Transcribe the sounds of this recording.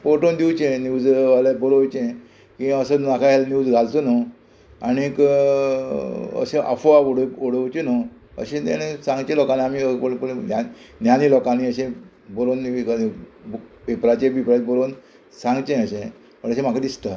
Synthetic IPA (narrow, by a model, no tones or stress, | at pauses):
poʈond̪iwt͡ɕẽnjud͡zʋalabolowt͡ɕẽ | kĩaəsənakʰaɦelnjuːd͡zɡʱalt̪əno | añik | ə̰ɕẽʔa̰foaoɽoɽəwt͡ɕeno | ə̰ɕẽt̪ɛ̰nesãŋɡt͡ɕẽlɔkaniamiəpənanjanilɔkanĩəɕẽ | boɾon | ʋipɾat͡ɕẽbipɾabɔɾon | sãŋɡt͡ɕẽəɕẽ | məɳəɕẽm̤akʰad̪ist̪a